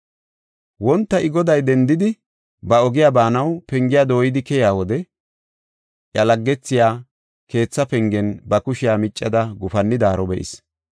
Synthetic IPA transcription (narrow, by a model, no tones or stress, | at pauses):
wɔnt̪ːɐɪɡɔd̪ɐjd̪ɛnd̪ɪd̪ɪ | bɐɔɡɪjaːbaːnɐwpɛŋɡɪjaːd̪o̞ːjɪd̪ɪkɛjaːwɔd̪ɛ | ʔjɐlɐɡːɛt͡sːɪjaː | ke̞ːt͡sːɐpɛŋɡɛnbɐkʊʃɪjaːmɪt͡ʃʼːɐd̪ɐɡʊfɐnːɪd̪aːɾɔbɛʔɪ̰s